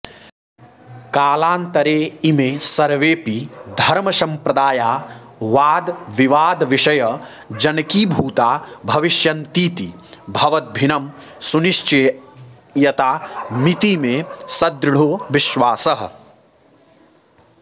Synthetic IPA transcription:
kaːlaːnt̪ɐɾeːimesɐɾʋeːpid̪ʱɐɾmɐsɐ̃mpɾɐd̪aːjaː | ʋaːd̪ʋiʋaːd̪ʋiʃɐjɐ | d͡ʒɐnkiːbʱuːt̪aːbʱɐʋiʃjɐnt̪iːt̪ibʱɐʋɐt̪̚bʱinɐm | suniʃt͡ʃɐ | jɐt̪aːmit̪imẽsɐd̪ɾɽ̤oːʋɪʃʋaːsɐɦ

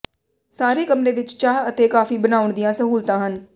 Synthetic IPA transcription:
saːɾeːkəmɾeːʋɪt͡ʃt͡ʃaːɦət̪eːkaːfiːbənaːʊɳd̪ɪjãːsəɦuːlt̪ãːɦən

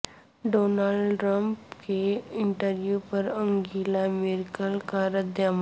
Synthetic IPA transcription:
ɖonalɖʈɾəmpkeiɳʈəɾʋjupəɾəŋɡʱilamiɾkəlkaɾəd̪ʱjam

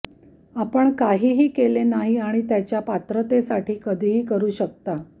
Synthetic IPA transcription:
apəɳkaɦiːɦiːkelenaɦiaɽ̃it̪jat͡ɕjapat̪ɾət̪esaʈʰiːkəd̪ʱiːɦiːkəɾuːɕək̚t̪a

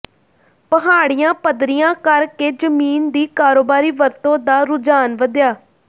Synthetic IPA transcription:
pəɦaːɽijãːpəd̪ɾijãːkəɾkeːd͡ʒəmiːnd̪iːkaːɾoːbaːɾiːʋəɾt̪õːd̪aːɾʊd͡ʒaːnʋəd̪jaː

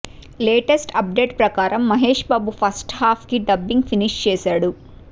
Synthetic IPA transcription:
leːʈesʈɐp̚ɖe̞ːʈpɾɐkaːɾɐmːɐɦeːʂbaːbupʰɐsʈhaːpʰkiɖɐbːiŋɡpiniʂt͡ʃɛːsaːɽu

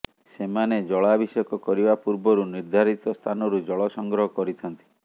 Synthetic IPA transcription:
semaned͡ʒɔɭabʱisɔkɔkɔɾibapuɾbɔɾuniɾd̪ʱaɾit̪ɔst̪ʰanɔɾud͡ʒɔɭɔsɔŋɡɾɔɦɔkɔɾit̪ʰɔnt̪i̥

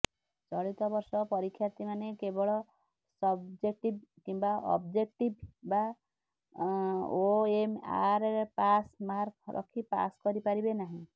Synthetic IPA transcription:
t͡ʃɔɭit̪ɔbɔɾsɔpɔɾikʰːjaɾt̪imanekebɔɭɔ | sɔbd͡ʒek̚ʈib̚kimbaʔɔ̰bd͡ʒek̚ʈibba | oema̰ɾpasmaɾkʰɾɔ̰kʰipa̰skɔɾipaɾibenaɦĩ

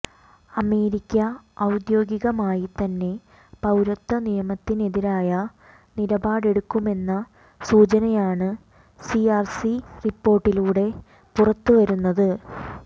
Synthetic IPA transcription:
ɐme̞ːɾikʲːɐɐwd̪jo̞ːɡiɣɐmaːjit̪ɐnːe̞ | pɐwɾɐt̪ːɐnijɐmɐt̪ːine̞ðiɾaːjɐ | nilɐbaːɽe̞ɽukːume̞nːɐ | suːt͡ɕɐnɐjaːɳɨ | siaːrsiripːo̞ːrʈːiluːɽe̞ | purɐt̪ːuʋɐɾunːɐðɨ

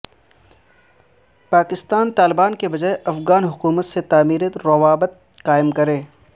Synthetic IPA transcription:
paːkɪst̪aːnt̪aːlɪbaːnkebɐd͡ʒaːeʔɐfɣaːnɦʊkuːmət̪set̪aːmiːɾiɾɐʋaːbət̪̚ | qaːɪmkɐɾẽː

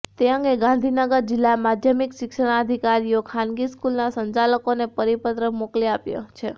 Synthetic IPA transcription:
t̪eəŋɡeɡãnd̪ʱinəɡəɾd͡ʒɪlːamad̪ʱjəmikʃɪkʃəɽ̃aəd̪ʱikaɾijokʰanɡiskulnasəɲt͡ʃaləkonepəɾipət̪ɾəmokliapjo̰t͡ʃʰe

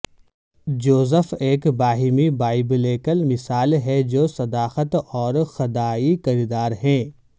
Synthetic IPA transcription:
d͡ʒoːzəfeːkbaːɦimibaːɪbleːkəlmɪsaːlɦɛd͡ʒoːsɐd̪aːxət̪ɔːɾxɐd̪aːikɐɾiːd̪aːɾɦɛ̃ː

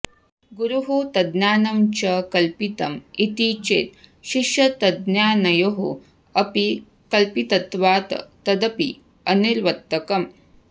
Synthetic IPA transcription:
ɡuɾuɦut̪ɐd̪njaːnɐmt͡ʃɐkɐlpit̪ɐmit̪it͡ʃḛːt̪̚ʃiʃjɐt̪ɐd̪njaːnɐjoɦṵ | ɐpi | kɐlpit̪ɐt̪ʋaːt̪ɐ̰t̪ɐd̪ɐpḭ | ɐniɾʋɐt̪ːɐkɐm

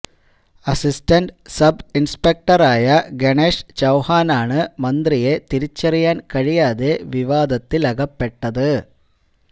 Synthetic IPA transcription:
ɐsistɐnɖsɐbinspek̚ʈɐraːjɐɡeɳeːʂt͡ɕɐwhaːnaːɳɨmɐnd̪rije̞t̪iɾit͡ɕːɐrijaːnkɐɻijaːðe̞ʋiʋaːd̪ɐt̪ːilɐɣɐpːeʈːɐðɨ

